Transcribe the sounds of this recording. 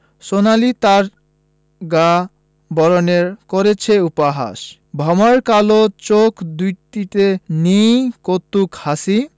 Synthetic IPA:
sonalit̪aɾ | ɡa | bɔɾoneɾkoɾet͡ɕʰeupaɦa̰ʃ | bʱɔmaɾkalot͡ɕokʰd̪ut̪it̪enijkot̪ːukhasi

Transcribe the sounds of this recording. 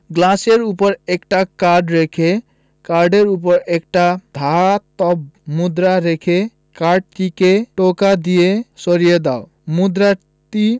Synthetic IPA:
ɡlaseɾupəɾekʈakaɾɖɾekʰe | kaɾɖeɾup̬ɔɾek̚ʈad̪ʱat̪ɔbmud̪ɾaɾekʰe | kaɾɖ̚t̪ikeʈokad̪ijesɔɾijed̪ao | mud̪ɾa | t̪i

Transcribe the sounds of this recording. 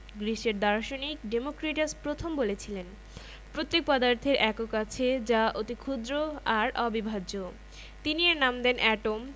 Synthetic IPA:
ɡɾiʃeɾd̪ɔɾʃonikɖemokɾeʈaspɾot̪ʰombolet͡ɕʰilen | pɾot̪ːek̚pɔd̪aɾt̪ʰeɾʔɛkokat͡ɕʰed͡ʑaʔot̪ikʰud̪ɾoaɾɔbibʱad͡ʑo | t̪inienamd̪enʔɛʈom

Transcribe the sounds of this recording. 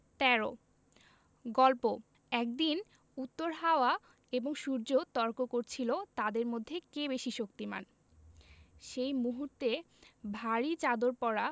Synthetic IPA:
t̪ɛɾo | ɡɔlpo | ɛk̚d̪in | ut̪ːoɾɦaoa | eboŋʃuɾd͡ʑot̪ɔɾkokoɾt͡ɕʰilot̪ad̪eɾmod̪ʱːekeβeʃiʃok̚t̪ima̰n | ʃejmuɦuɾt̪e | bʱaɾit͡ɕad̪oɾpɔɾa

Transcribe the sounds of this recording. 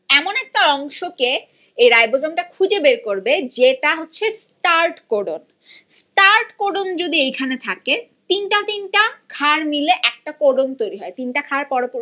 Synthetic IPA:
ɛmonɛk̚ʈaɔŋʃoke | ejɾajbod͡ʑamʈakʰud͡ʑebeɾkoɾbed͡ʑeʈaɦotːɕʰes | ʈaɾʈkoɖon | sʈaɾʈkoɖond͡ʑod̪iejkʰanet̪ʰaket̪inʈat̪inʈakʰaɾmileʔɛk̚ʈakoɖont̪ojɾiɦɔet̪inʈakʰaɾpɔɾopo

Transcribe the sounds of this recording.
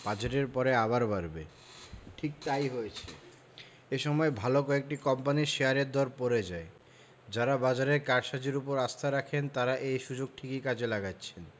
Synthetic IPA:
b̥ad͡ʑeʈeɾpɔɾeaβaɾbaɾbe | ʈʰik̚t̪ajɦojet͡ɕʰe | eʃɔmɔebʱalokɔek̚ʈikɔmpaniʃeaɾeɾd̪ɔɾpoɾed͡ʑae | d͡ʑaɾabad͡ʑaɾeɾkaɾʃad͡ʑiɾupoɾast̪ʰaɾakʰent̪aɾaʔejʃud͡ʑoɡ̚ʈʰikikad͡ʑelaɡatːɕʰen

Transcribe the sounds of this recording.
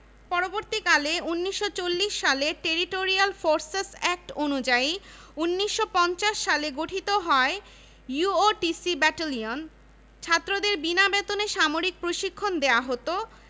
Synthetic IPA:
pɔɾoboɾt̪ikaleunːiʃːot͡ɕolːiʃːaleʈeɾiʈoɾialfoɾsesɛk̚ʈonud͡ʑaiunːiʃːopɔnt͡ɕaʃːaleɡoʈʰit̪oɦɔe | juoʈisibɛʈalion | t͡ɕʰat̪ːɾod̪eɾbinabet̪oneʃamoɾik̚pɾoʃikʰːond̪eoaɦot̪o

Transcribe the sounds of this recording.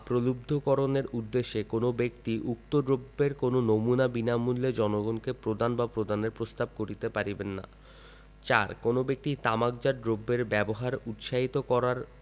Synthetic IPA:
pɾolubd̪ʱokɔɾoneɾud̪ːeʃːekonobekt̪iʔuk̚t̪oɖɾobːeɾkononomunabinamulːed͡ʑɔnoɡonkepɾod̪anbapɾod̪aneɾpɾost̪ab̚koɾit̪epaɾibenːa̰ | t͡ɕa̰ɾkonobek̚t̪it̪amak̚d͡ʑaɾɖɾobːeɾbɛboɦaɾut̪ʃaɦit̪okɔɾaɾ

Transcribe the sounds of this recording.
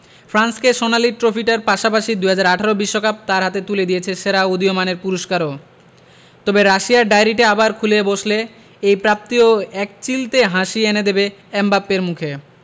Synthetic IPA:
fɾanskeʃonaliʈɾofiʈaɾpaʃapaʃid̪uɦad͡ʑaɾaʈʰaɾobiʃːokap̚t̪aɾɦat̪et̪uled̪ijet͡ɕʰeʃeɾaod̪iomaneɾpuɾoʃkaɾo | t̪ɔbeɾaʃiaɾɖajɾiʈeabaɾkʰuleboʃle | ejpɾap̚t̪ioɛk̚t͡ɕilt̪eɦãʃiened̪ebeɛmbapːeɾmukʰe

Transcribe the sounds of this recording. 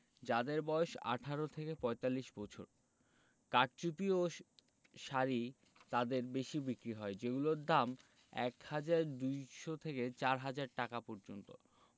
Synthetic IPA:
d͡ʑad̪eɾbɔoʃa̰ʈʰaɾot̪ʰekepɔet̪alːiʃbɔt͡ɕʰo̰ɾ | kaʈ̚t͡ɕupio | ʃaɾi | t̪ad̪eɾbeʃibikɾiɦɔed͡ʑeɡuloɾd̪am | ɛ̰khad͡ʑaɾd̪ujʃot̪ʰeket͡ɕaɾɦad͡ʑaɾʈakapɔɾd͡ʑont̪o̰

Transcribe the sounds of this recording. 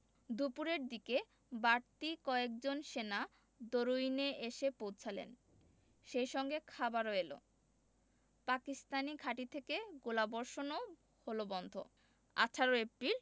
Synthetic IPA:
d̪upuɾeɾd̪ike | baɾt̪ikɔek̚d͡ʑonʃena | d̪oɾujneʔeʃepowt͡ɕʰalḛn | ʃejʃɔŋɡekʰabaɾoelo̰ | pakist̪anikʰaʈit̪ʰekeɡolabɔɾʃono | holobɔnd̪ʱo̰ | a̰ʈʰaɾoepɾil

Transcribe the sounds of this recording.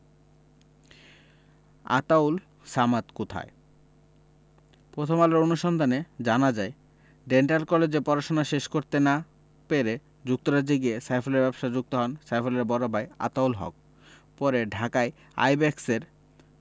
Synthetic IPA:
a̰t̪awl | samat̪kot̪ʰa̰e | pɾot̪ʰomalaɾonuʃɔnd̪ʱaned͡ʑanad͡ʑae | ɖeɳʈalkɔled͡ʑepɔɾaʃonaʃeʃkoɾt̪ena | peɾe | d͡ʑuk̚t̪oɾad͡ʑiɡiesajfʰoleɾbɛbʃad͡ʑuk̚t̪oɦɔnsajfʰoleɾbɔɾabaja̰t̪awlɦɔ̰k̚ | pɔɾeɖʱakae | a̰jbɛkseɾ

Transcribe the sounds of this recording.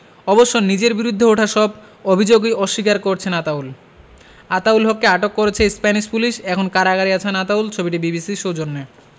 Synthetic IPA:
ɔboʃːonid͡ʑeɾbiɾud̪ʱːeoʈʰaʃɔb | obʱid͡ʑoɡejɔʃːikaɾkoɾt͡ɕʰenat̪aul | at̪aulɦokːeaʈokːoɾet͡ɕʰespɛniʃpuliʃɛkʰonkaɾaɡaɾiat͡ɕʰenat̪ault͡ɕʰobiʈibibisiʃowd͡ʑonːe

